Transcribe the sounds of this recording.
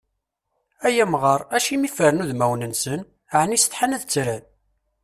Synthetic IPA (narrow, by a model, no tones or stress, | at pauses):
æjæmʁəɾˤæʃimifəɾənuðmæwnənsən | ʕnisə̥t̪ħanæðt͡sːɾæn